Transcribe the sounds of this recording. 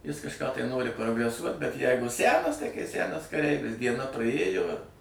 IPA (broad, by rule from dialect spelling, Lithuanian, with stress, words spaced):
ˈjɪs kɐʃˈkɑː tɐɪ ˈnoːrʲɪ proːɡrʲɛˈsuɔt bʲɛt ˈjɛɪɡʊ ˈsʲænɐs tɐɪ kɐɪ ˈsʲænɐs kɐˈrʲɛɪʋʲɪs dʲiɛˈnɐ prˈɐeːjoː ɪr